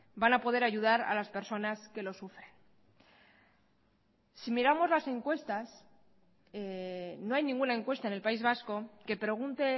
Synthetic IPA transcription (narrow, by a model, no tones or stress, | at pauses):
banapo̞ð̞e̞ɾaʝuðaɾa̰laspe̞ɾso̞naske̞lo̞sufɾe̞n | simiɾamo̞zlase̞ŋkwe̞st̪as | eno̞ajnĩŋɡunae̞ŋkwe̞st̪aene̞lpaizβ̞asko̞ke̞pɾe̞ɣ̞unt̪e̞